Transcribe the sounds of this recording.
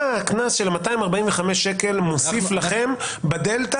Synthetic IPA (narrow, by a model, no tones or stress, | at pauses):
aknasʃelmataimaʁbainveχameʃːeke̞lmosiflaχe̞m | badelt̪a